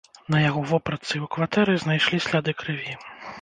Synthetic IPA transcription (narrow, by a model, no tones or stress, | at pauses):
nɐjaɣɔvɔpɾɐt̪sɨiukvat̪ɛɾɨznajʂlʲisʲlʲad̪ɨkɾɨvʲi